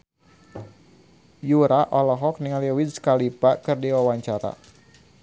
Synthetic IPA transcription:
juɾaʔɔlɔɦɔk̚niŋaliwidskalipakɨrdiwawaɲt͡ʃaɾa̰

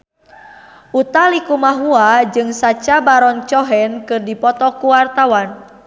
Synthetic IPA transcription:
ʔut̪alikumaɦuad͡ʒɨŋsat͡ʃabaɾɔnt͡ʃɔɦɛnkɨrdipɔt̪ɔkuwart̪awan

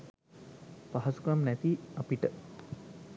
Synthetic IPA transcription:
paɦɐsu̥kamnæt̪iapiʈə

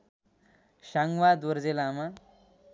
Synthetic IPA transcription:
ɕaŋɡʋad̪ʋəɾd͡zelama

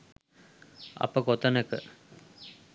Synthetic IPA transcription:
ɐ̰pəɡot̪ɐnekə

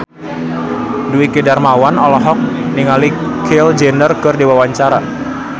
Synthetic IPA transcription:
duwikedarmawanɔlɔɦɔk̚niŋalikʰeld͡ʒɛndərkərdewawaɲt͡ʃaɾa

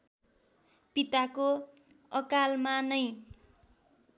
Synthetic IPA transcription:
pit̪ako | ʌkalmanʌj

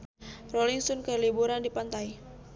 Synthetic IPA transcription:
rɔliŋsɔnkəlibuɾandipant̪ai

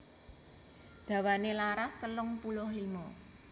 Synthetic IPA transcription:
d̪̥ä̤wanelaɾast̪əlʊŋpuloɦilmɔ

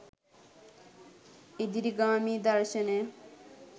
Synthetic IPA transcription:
id̪iɾiɡaːmid̪aɾʃene

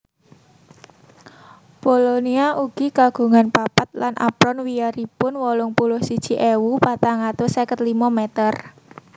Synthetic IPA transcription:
b̥oloniaʔuɡ̥i̤kaɡ̥ṳŋanpapat̪̚lanʔa̰pɾɔnwiaɾipʊnwɔlʊŋpulʊhsid̥ʒ̥i̤ʔewupat̪aŋat̪osekət̪limɔmet̪ər

